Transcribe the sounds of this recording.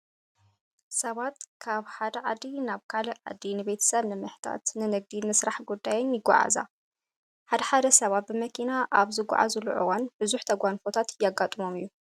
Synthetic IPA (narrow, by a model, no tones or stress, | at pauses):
sɐβat̪kʰaβħad̪ɐʕad̪inaβkʰaliʕa̰d̪ːinɨbet̪ʰɐ̥sɐβnɨmɨħt̪ʰa̰t̪nɨnɨɡ̚d̪inɨsɾaħɡud̪ːajeɲjɪɡːɔ̰ʕa̰za̰ | ħad̪ɐħad̪ɐsɐβat̪̚bɨmɐkʰinaʔaβzɨɡʷa̰ʕa̰zuluʕɨ̰wanb̥ɨzuħt̪ʰɐɡʷanfot̪ʰat̪jaɡat̪ʼɨmo̞mijːu